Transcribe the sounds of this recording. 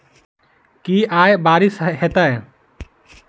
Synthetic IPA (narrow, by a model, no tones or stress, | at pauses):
kiajbaɾisɦɛt̪aj